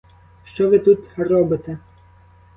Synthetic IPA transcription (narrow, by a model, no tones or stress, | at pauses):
ʃt͡ʃɔʋɪt̪ut̪rɔbɪt̪ɛ